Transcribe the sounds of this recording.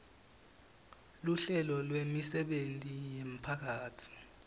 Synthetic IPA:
luɬɛlɔlwemisɛɓentʼijem̩pʰak̬ʰaːtʰi̥

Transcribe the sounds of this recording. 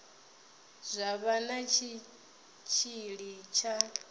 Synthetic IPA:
zʷaβanat͡ʃʰi | t͡ʃʰiɺit͡ʃʰa

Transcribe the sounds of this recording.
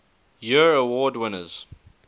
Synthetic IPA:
jəɹəwɔːdwɪnəz̥

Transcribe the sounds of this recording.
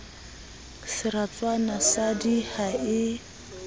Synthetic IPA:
sɪɾat͡sʼwanasadihaɪ

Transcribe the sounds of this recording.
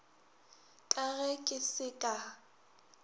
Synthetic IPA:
kʼaɣɛkʼɪsɪkʼa

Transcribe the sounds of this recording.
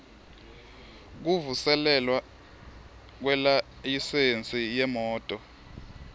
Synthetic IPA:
k̬uvusɛlɛlwa | k̬wɛla | jisent͡sʼijɛmɔːtʼɔ

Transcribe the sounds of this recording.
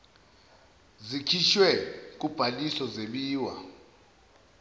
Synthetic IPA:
zikʰiʃwɛk̬ub̥ʱalisɔzeɓiːwa̰

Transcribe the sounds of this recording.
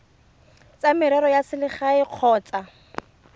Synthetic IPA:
t͡samɪɾɛɾɔjasɪlɪχaɪq͡χʰɔːt͡sa

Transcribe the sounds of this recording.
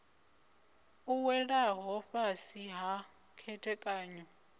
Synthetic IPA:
uwɛɺaɦɔɸasiɦa | kʰɛtʰɛkʼaːɲɔ

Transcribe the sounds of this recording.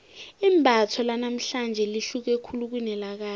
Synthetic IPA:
imbʱatʰɔlanam̩ɬand͡ʒʱɛliɬuk̬ekʰuluk̬winɛlak̬aː

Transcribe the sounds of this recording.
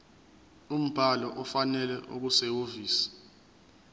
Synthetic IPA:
um̩b̥ʱalɔʔɔfanɛlɛʔuk̬usewoviːsi̥

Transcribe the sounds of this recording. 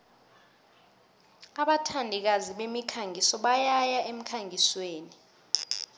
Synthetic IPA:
aɓatʰandʱik̬aziɓemikʰaŋʱisɔɓajajaʔem̩kʰaŋʱisweːni

